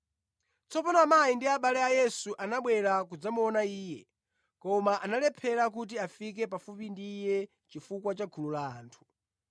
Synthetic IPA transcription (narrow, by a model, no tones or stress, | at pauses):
t͡sɔpɔnamajindiaɓalɛajɛsuʔanaɓwɛɾak̬ud͡zamuɔnaiːjɛ | kɔmaʔanalɛpʰɛɾak̬ut̬iafik̬ɛpafupindijɛ | t͡ʃifukwat͡ʃakʰulula̰ːntʰu̥